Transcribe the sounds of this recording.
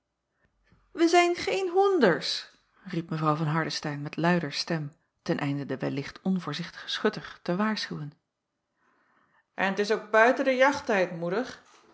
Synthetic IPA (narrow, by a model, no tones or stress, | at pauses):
ʋəzɛjnχejnɦɔndəɹs | ripməvrɑwvɑnɦɑɹdəstɛjnmɛtlœɥdəɹstɛm | tɛnʔɛjndədəʋɛ̰lɪχtʰɔnvʊːɹzɪχtə̥χə̥sχɵtəχtəʋaːɹsχywən | ʔɛnətɪsok̚bœɥtədəjɑχtɛjtmudəχ